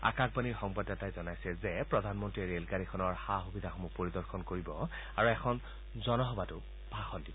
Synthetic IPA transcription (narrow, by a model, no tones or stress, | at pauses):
a̰kakbaniɹxɔŋbadːatajzɔnajsɛzɛpɹɔdʱanmɔntɹiɹelkanikʰɔnɔɹxaɦubidʱaxomupoɹidɔɹxʰɔnkoɹibɔ | aɹuɛkʰɔn | zɔnɔɦɔbatʊ | bʱaxɔndibɔ